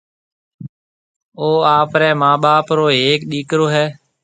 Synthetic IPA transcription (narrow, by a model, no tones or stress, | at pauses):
oːaːpɾɛːmaːɓaːpɾoːɦeːkɗiːkɾoːɦɛː